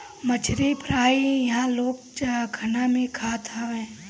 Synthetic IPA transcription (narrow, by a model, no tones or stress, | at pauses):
mət͡ʃʰɾipɾaːijɐɦãloːɡ̚t͡ʃakʰənamẽkʰaːt̪ʰaʋẽː